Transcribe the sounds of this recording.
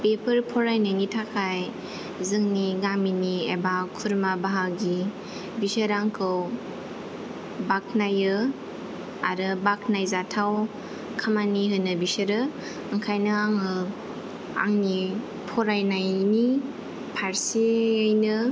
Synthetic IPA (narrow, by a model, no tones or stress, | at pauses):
pepʰɯɾpʰɔɾajnajnitʰakʰaj | zɯŋniɡaminiḛbakʰuɾmabaɦaɡi | bisəɾaŋkʰɯw | bak̚ʰnajɯ | aɾɯbakʰnajzatʰaw | kʰamaniɦɯnɯbisəɾɯ | ɯŋkʰajnɯaŋɯ | a̰ŋni | pʰɔɾajnajni | pʰaɾsiːjnɯ